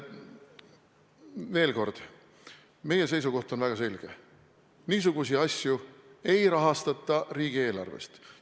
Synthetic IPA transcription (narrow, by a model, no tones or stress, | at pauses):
ve̞ːlko̞rd̪̥ | me̞je̞s̬e̞jsuko̞ht̪o̞nvæɡ̥ɑse̞lʲɡ̥e̞̰ | niːs̬uɡ̥usiɑsʲjue̞jɾɑɦɑst̪ɑt̪ˑːɑriːɡ̥ie̞ːlɑ̰rvḛst̪